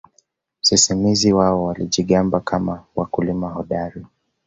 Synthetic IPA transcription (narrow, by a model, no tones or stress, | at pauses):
m̩sisimiziwaɔwaliʄiɠambakʰamawakulimahɔɗaɾi